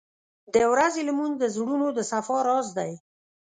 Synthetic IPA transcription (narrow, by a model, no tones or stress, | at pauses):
d̪əwɾazelmund̪əzɽunod̪əsafɑɾɑzd̪aj